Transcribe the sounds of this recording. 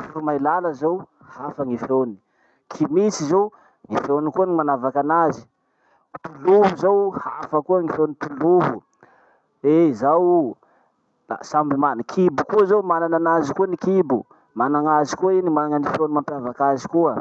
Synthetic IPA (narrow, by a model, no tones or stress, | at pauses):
fuɾumajlaləzow | hafəŋifjoni̥ | kʰimit͡sizow | ŋifonikuanimanavakanazi̥ | ut̪uluvuzowhafəkuəŋifonit̪uluvu | ezaw | la̰sambimanikʰibukuazowmanananazikuanikibu | manaŋazikuainimanaŋanifjonimampjavakazikuə